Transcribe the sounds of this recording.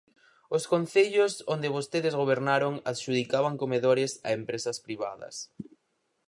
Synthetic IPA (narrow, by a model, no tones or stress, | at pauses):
ʊskon̟θeʎʊsond̪ɪβost̪eðɪzɣoβ̞eɾnaɾoŋaʃuð̞ikaβaŋkomeðoɾɪsɐ̰empɾesɐspɾiβa̰ðɐ̰s